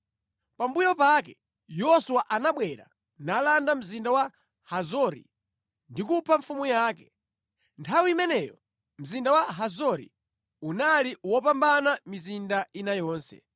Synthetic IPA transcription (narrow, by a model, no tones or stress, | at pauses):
pambujɔpakɛ | jɔsuwaʔanaɓwɛɾa̰ | nalandam̩zindawa | hazɔɾḭ | ndikupʰaɱfumujaːkɛ | ntʰawiimɛnɛjɔ | m̩zindawaɦazɔɾḭ | unaliwɔpambanamizindainajɔːnsɛ̰